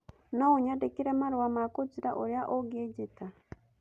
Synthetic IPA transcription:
nouɲadekiɾemaɾowamakot͡siɾaʔoɾjaʔoɡieɟeta

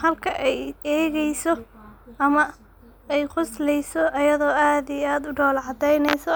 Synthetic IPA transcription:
hɐlkʰɐʔɛjɛːɣɛjsɔʔɐmɐ | ɛjqʊslɛjsɔʔɐjɐðɔːaːd̪ijaːd̪ʊɖɔːlʕɑd̪ɛjnɛjsɔ

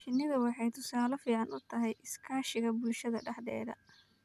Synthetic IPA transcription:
ʃɪnːɪðɐwɑħɑjt̪ʰʊsaːlɔfiːʕɑnʊt̪ʰɐɦɛjʔɪskʰaːʃɪɣɐbʊlʃɐðɐ̰ɖɐħd̪ɛ̰ːðɐ̰

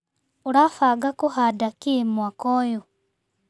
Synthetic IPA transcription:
uɾafaɡakuhadakimwakojo

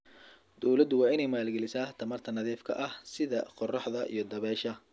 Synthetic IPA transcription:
d̪̥ɔwlɐd̪ʊwɑːɪnɛjmaːlɡɛlɪsaːht̪ʰɐmɐrt̪ʰɐnɐðiːfkʰɐ̰ʔɐhsɪðɐqɔrɑħðɐʔḭjɞd̪ɐβɛːʃɐ

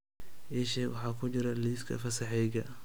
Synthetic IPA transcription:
ʔɛʃɛwɑħɑːkʰʊt͡ʃɪɾɐliːskʰɐ̰fɐsɐħɛjɣɐ

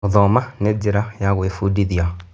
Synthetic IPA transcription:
oðɔmaned͡ʒeɾajaɣwefudiðia

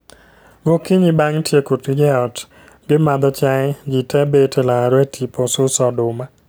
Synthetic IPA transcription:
ɡokiɲibaŋtjekutɡɛɔt | ɡɪmad̪ɔt͡ʃaɛd͡ʒitɛbetelaɾetʰipʰɔsʊsɔdʊma

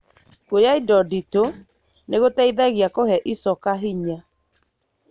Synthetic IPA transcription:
kojaidɔdito | neɣotaiðaɣjakohɛʔisɔkaɦiɲa

